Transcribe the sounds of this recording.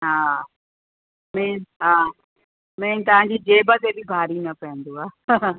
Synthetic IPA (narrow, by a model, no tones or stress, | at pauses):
ɦaː | mɛ̃ːɦaː | mɛ̃ːt̪ɐʋ̤ãːɲd͡ʑiːd͡ʑeːbət̪ebɪbʱaːɾinɐpɐɦə̃nd̪uaː